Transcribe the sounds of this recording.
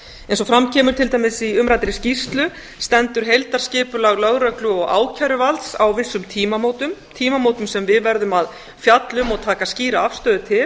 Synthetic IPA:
ɛensɔfɾamcʰɛːmʏɾt̪ʰɪlt̪aːjmɪsiʏmɾajt̪ɪɾɪscist̪lʏ | st̪ɛnt̪ʏɾ̥ɦejlt̪aɾ̥scɪːpʏlaɣlœɣɾœklʏɔɣa̰ːwcʰaɾʏvalt̪sawvɪsːʏmt̪ʰiːmamoːwt̪ʏmt̪ʰiːmamoːwt̪ʏmsɛmvɪðvɛɾðʏmað | fjat̪lʏmɔɣt̪ʰaːkasciːɾaafst̪œːðʏt̪ʰɪl

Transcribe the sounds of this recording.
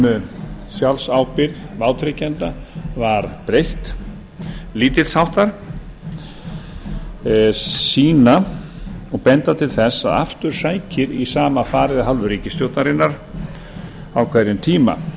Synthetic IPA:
sjalsaːwpɪɾðvaːwt̪ʰɾɪcɛnt̪avaɾpɾejht̪ | liːt̪ɪlshawht̪aɾ̥ | siːna | ɔɣpɛnt̪at̪ʰɪlθɛsaða̰ft̪ʏɾ̥saːjcɪɾisaːmafaːɾɪðaɦalvʏɾiːcɪst̪jowt̪naɾɪnːaɾ | awkʰvɛɾɪnt̪ʰiːma̰

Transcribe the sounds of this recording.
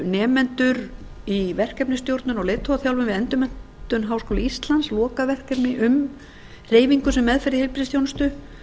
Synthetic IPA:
nɛːmɛnt̪ʏɾ | ivɛr̥kɛpnɪst̪jowɾt̪nʏnɔɣleːt̪ʰːɔaθjawlvʏnvɪðɛnt̪ʏmɛn̥ttt̪ʏnɦawskɔːwlɪist̪lanslɔːkavɛr̥kɛpnɪʔʏm | reːjviŋkʏsɛmːɛðfɪɾðɪhejlpiɾɪst̪jownst̪ʏ

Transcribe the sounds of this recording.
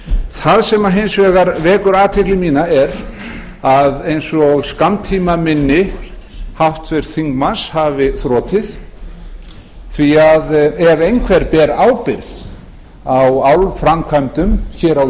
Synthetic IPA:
θaðsɛmaɦejnsvɛːɣaɾvɛːkʏɾaːt̪ʰɪklɪmiːnaɛɾ | aðejnsɔɣskamt̪ʰiːmamɪnːɪ | haht̪vɛɾ̥θiŋkmanshavɪθɾɔːt̪ʰɪð | θviaðɛvejnkʰvɛɾpɛːɾaːwpɪɾð | awawlfɾamkʰamt̪ʏmçɛːɾaw

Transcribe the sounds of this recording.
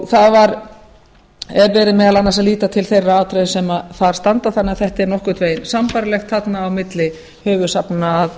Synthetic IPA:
θaðvaɾ | ɛɾvɛːɾɪmɛːðalanːas̬aðliːt̪at̪ʰɪlθejrːaaːt̪ʰɾejsɛmaθaɾ̥st̪ant̪aθanːɪaθɛht̪ɛɾnɔhkʏt̪ʰveːjnsampaɾalɛxt̪ʰθat̪naːwmɪt̪lɪ | hœːvʏsapnɪnaːð

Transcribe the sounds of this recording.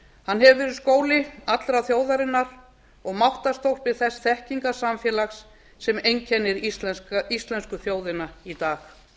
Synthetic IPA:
hanːɦɛvvɛːɾʏðskoːwlɪat̪lɾaθjoːwðaɾɪnːaɾ̥ | ɔɣmawht̪ḁst̪owhpvɪðθɛsθɛhciŋkasamfjɛːlaxsː | ɛmejɲcʰɛnːɪɾist̪lɛsist̪lɛnskʏθjoːwðɪnait̪aːx

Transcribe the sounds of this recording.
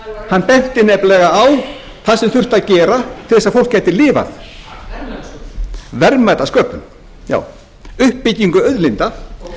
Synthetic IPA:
hanːpɛht̪ɪnɛplɛɣaaw | θaðsɛmθʏr̥t̪aðcɛːɾat̪ʰɪɾðɛsaðfow̪̥kcajt̪ɪlɪːva̰θ | vɛɾmajt̪askœːplʏm | ja̰ːw | ʏhpːɪcːiŋkʏœðlɪnt̪a

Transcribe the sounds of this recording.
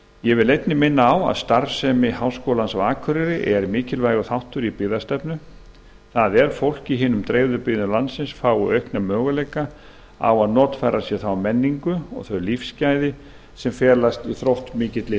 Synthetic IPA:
jɛvɪlejt̪nɪmɪnːaːwa̰ðst̪aɾsɛmɪhawskowlansawaːkʰʏɾɪɾɪʔɛɾmɪːcɪlvaːjɣʏθawht̪ʏɾipɪːðast̪ɛpnʏ | θaðɛɾ̥fowl̥ciɦɪːnʏmt̪ɾejðʏɾpɪðnʏlansɪnsfaːwʏœɥhknamœːɣaleːjka | a̰waðnɔːt̪faːjɾasjɛθawmɛnːiŋkʏɔ̰ɣθœɥlifscaːjðɪ | sɛmfjɛːlast̪iθɾowht̪mɪːcɪt̪lɪ

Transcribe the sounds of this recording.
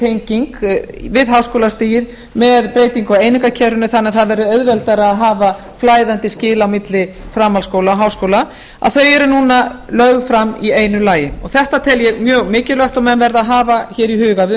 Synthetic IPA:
t̪ʰejɲciŋk | vɪðɦaːwskowlast̪iːjɪð | mɛðpɾeːjt̪iŋkaeːjnɪŋkacʰɛɾʏnɪθanːɛθaðvɛɾðʏœðvɛlt̪aɾːðɦaːva | flaːjðant̪ɪscɪːlaawmɪt̪lɪ | fɾaːmalskowlaɦaːwskoːwla | a̰ðθœɥɛɾʏnuːnalœɣðfɾamːieːjnʏlaːjɪɔɣθɛht̪at̪ʰɪljɛɣmjœːɣmɪːcɪlœht̪ɔmɛnvɛɾðaɦaːvaçɛːɾiɦʏːɣav

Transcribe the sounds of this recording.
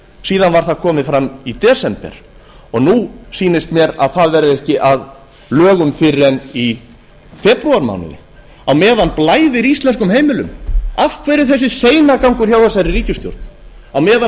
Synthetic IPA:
siːðanvaɾ̥θaðkʰɔːmɪfɾamit̪ɛːsɛmpɛ̰ɾ̥ | ɔɣnusiːnɪst̪mjɛɾa̰ðθaðvɛɾðɪɛhcɪʔað | lœːɣʏmfɪrːɛni | fɛːpɾuaɾma̰wnɪ̰nɪ̰ | awmɛːðanplaːjðɪɾist̪lɛnskʏmheːjmɪlʏmafkʰvɛːɾɪθɛsːɪseːjnakawŋkʏɾ̥çjaːwðasaɾɪriːcʏst̪jo̰wɾt̪n̥ | awmɛːða

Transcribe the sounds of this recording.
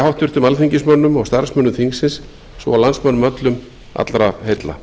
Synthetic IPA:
hawht̪ʏɾ̥t̪ʏmalθiɲcɪsmœnːʏmɔɣst̪aɾsmœnʏmθiŋsɪnsː | vɔ̰awlansmœnʏmœt̪lʏm | a̰t̪lɾahejt̪la̰

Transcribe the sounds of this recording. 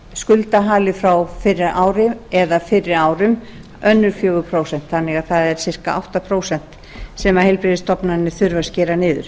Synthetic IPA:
skʏlt̪aɦaːlɪfɾawfɪɾːɪɾʔaːwɾɪɛðafɪrɪɾaːwɾʏm | œnːʏɾ̥fjœːɣʏpʰɾoːwsɛn̥t̪θanːɪɣaðθaðɛɾ̥sɪr̥kaʔa̰wht̪apʰɾoːwsɛn̥t̪ | sɛmahɛjlpɾɪðɪst̪ɔpnanːɪθʏɾvascɛːɾanɪːðʏɾ̥

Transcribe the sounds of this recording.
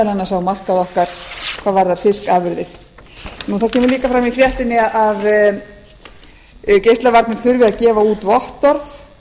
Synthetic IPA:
lɛnːasawmar̥kaðɔhkaɾ̥kθʰaðvaɾðaɾ̥fɪskaːvɪɾðɪθ | nuːθaðcʰɛːmʏɾliːkafɾamifɾjaht̪ɪnːɪaʔað | cejst̪lavaɾt̪nʏθʏɾvɪðaðcɛːvauːt̪vɔht̪ɔɾθ

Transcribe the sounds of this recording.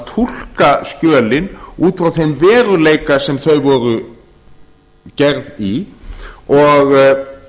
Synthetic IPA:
t̪ʰul̥kascœːlɪnuːt̪fɾawθejnvɛːɾʏleːjkasɛmθœɥvɔɾʏ | cɛɾði | ɔɣ

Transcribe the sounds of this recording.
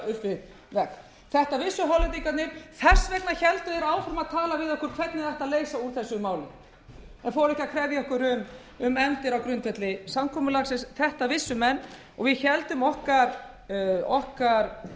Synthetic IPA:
ʏhpvɪð | vɛkn | θɛht̪avɪsːʏɦawlɪt̪ikat̪nɪɾ̥θɛ̥svɛknaçɛlt̪ʏɛɾaːwfɾʏmaðt̪ʰaːlavɪðɔhkʏɾ̥kʰvɛt̪nɪðaht̪aðleːjsauɾ̥θɛsːʏmaːwlɪ̰ | ɛnfɔːɾɛhcakʰɾɛvðjaɔhkʏɾʏm | ʏmɛmt̪ɪɾawkɾʏnt̪vɛt̪lɪsamkʰɔːmʏlaksɪnsθɛht̪avɪsːʏmɛnː | ɔ̰ɣvɪðçɛlt̪ʏmɔhkaɾ̥ | ɔhkaɾ̥

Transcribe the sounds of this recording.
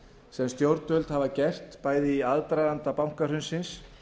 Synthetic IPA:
sɛmst̪jowɾt̪œlt̪havacɛr̥t̪paːjðɪiaðt̪ɾajðant̪apawŋ̥kaɾ̥hʏnsɪns

